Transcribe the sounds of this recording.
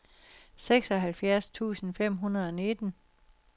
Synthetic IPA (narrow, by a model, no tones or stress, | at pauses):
seɡ̥sɒ̽ɦælfjæɐst͡sʰṵːsn̩fem̰ɦunɐð̞ˠɒ̽ne̝d̥ən̩